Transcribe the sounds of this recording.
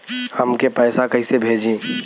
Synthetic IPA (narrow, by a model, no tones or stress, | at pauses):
həmkepɛːsakɐɦisebʱeːd͡ʒĩː